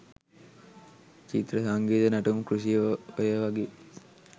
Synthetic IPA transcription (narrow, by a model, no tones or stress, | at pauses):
t͡ʃit̪ɾəsaŋɡiːt̪ənaʈumkɾusijəʋəjəʋaɡe